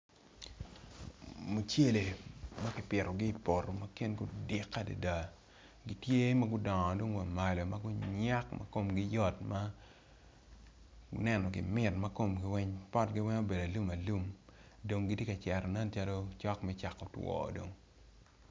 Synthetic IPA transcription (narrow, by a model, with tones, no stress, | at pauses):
mu˨t͡ʃe˦le˨ma˦kɪ˦pɪ˨ɾɔ˨ɡɪ˦˨po˨ro˨ma˦ke˦nɡʊ˦dɪ˨kːa˦da̰˨da˨ | ɡɪ˦tje˦ma˦ɡʊ˦dɔ˨ŋɔ˨do˦ŋwa˨ma˨lo˨ma˦ɡʊ˦ɲa˦kmʔa̰˦ko˨mɡɪ˦jɔ˦tma˦ | nɛ˦nɔ˨ɡɪ̰˨mɪ˦tma˦ko˨mɡɪ˦wɛ˦ɲpɔ˦tɡɪ˦wɛ˦ɲo˦be˨da˨lu˦ma˨lu˦m | do˨ŋɡi˦ti˦ka˨t͡ʃɛ˨ɾo˨nɛ˦nt͡ʃa˦lo˦t͡ʃɔ˦kmɛ˦t͡ʃa˨kːɔ˨twɔ̰ː˨do̰˨ŋ